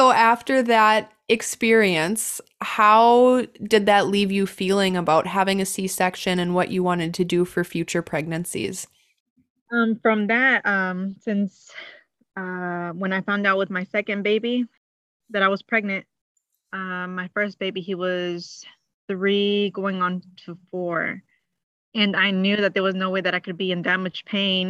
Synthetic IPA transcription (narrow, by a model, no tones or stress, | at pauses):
soʊʔæftə˞ðɨɾ | ɨkspɪɹiɨ̃ns | haʊdɨd̪̚ðɨtˡlivjɨfilˠɪ̃ŋəbaʊt̚ɦævɪ̃ŋɨsisɛkʃɨ̃nɨ̃nwʌt͡ʃɨwɑ̃ɾ̃ɨd̚tʰɨdɨfə˞fjʉt͡ʃə˞pʰɹ̥ɛɡ̚nɨ̃nsḭz̥ | ʌ̃mfɹʌ̃mðɨt̚ʌ̃msɪ̃ns | ʌwə̃ñaɪfãʊ̃ndaʊt̚wəðmaɪsɛkɨ̃nbeɪbi | ðɨɾaɪwʌz̥pʰɹ̥ɛɡ̚nɨ̃nt̚ | ʌmaɪfɜ˞s̚b̥eɪbiiwʌz̥ | θɹiɡoʊɪ̃ŋə̃ntʰəfɔɹ | ɨ̃naɪnjʉðɨt̪̚ðə˞wʌznoʊweɪðɨɾaɪkɨd̚biɨ̃ndæmɨd̥d͡ʒ̥pʰẽɪ̃n